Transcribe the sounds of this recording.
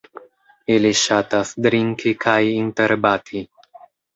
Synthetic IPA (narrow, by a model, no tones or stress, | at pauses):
eliʃat̪asd̪ɾiŋkʰikʰajint̪eɾbat̪ʰi